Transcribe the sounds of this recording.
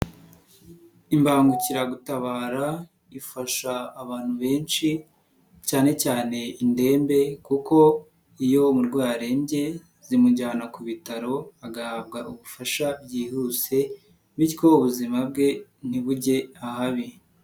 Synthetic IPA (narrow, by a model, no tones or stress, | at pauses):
imbaːŋɡuciɾaɡutaβaːɾa | ifaʃaːβaːn̥huβe̞ːnt͡ʃi | caːne̞caːne̞inde̞ːmbe̞kuko̞ | ijo̞muɾɡwaːɾe̞mbje̞ | z̥imuɟaːnakuβitaɾo̞aɡahaːbɡaʔuβufaʃabɟiːhuse̞ | βiɾkouβuzimab̚ɡe̞n̥iβuɟe̞ahaβi